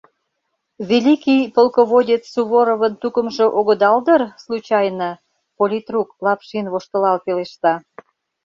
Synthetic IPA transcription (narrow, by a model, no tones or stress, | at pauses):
βʲelʲikʲijpolkoβodʲet͡ssuβoɾoβənt̪ukəmʒĕʔoɣə̆d̪ɑld̪ərslut͡ɕɑjnə | polʲit̪ruklɑpʃinβoʃt̪ə̆lɑlpeleʃt̪ɑ